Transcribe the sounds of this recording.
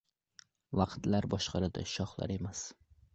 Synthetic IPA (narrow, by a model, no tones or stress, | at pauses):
vɑqt̪laɾbɒʃqʰɑɾɪd̪a̰ʃɒχlˠa̰ɾe̞mas